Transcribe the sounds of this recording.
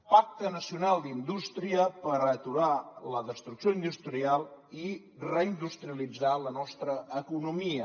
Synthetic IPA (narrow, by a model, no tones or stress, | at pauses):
pak̚t̪ənəsiunalˠd̪ind̪ust̪ɾiəpəɾət̪uɾaləðəst̪ɾuksjoind̪ust̪ɾialˠi | rəind̪ust̪ɾiəlid͡zalənɔst̪ɾəːkunumiə